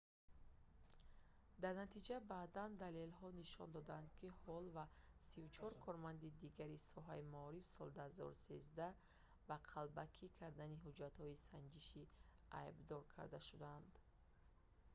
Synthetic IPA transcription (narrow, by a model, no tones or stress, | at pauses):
d̪aɾnat̪ʰid͡ʒabaːd̪and̪ale̞lhɔniʃɔnd̪ɔd̪and̪kʰihɔlvasivut͡ʃʰɔɾkʰɔɾmand̪id̪iɡaɾisɔɦa̰imaɔɾifsɔld̪aazɔ̰ɾusezd̪a | baqʰalbakʰikʰaɾd̪aniɦud͡ʒat̪hɔisand͡ʒiʃi | a̰ibd̪ɔɾkʰa̰ɾd̪aʃud̪and̪